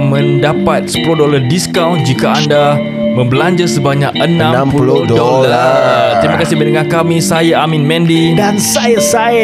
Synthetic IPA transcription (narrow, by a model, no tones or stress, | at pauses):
mə̃ndapat̪̚sə̥pulodolardiskawnd͡ʒikaanda | mə̃mbəlaɲd͡ʒasəbaɲakənãmnãmpulddolaat̪ɾimakasibədəŋankamĩsajaamĩnmɛ̃ndidansajasa